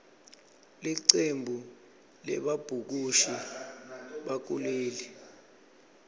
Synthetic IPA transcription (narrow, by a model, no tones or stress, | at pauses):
liǀembʱu | lɛ̰ɓab̥ʱuk̬uʃi | ɓak̬uleːli